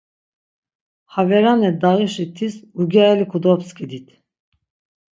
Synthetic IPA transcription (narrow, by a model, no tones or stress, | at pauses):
havɛɾanɛd̪aɣiʃit̪ʰisuɡaɛlikʰud̪ɔpskʰɛd̪it̪ʰ